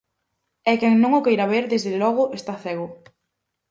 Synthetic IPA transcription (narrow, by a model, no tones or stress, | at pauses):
ɛkɛŋnõŋʊkejɾaβeɾðezðelɔɣʊʔest̪aθɛɣʊ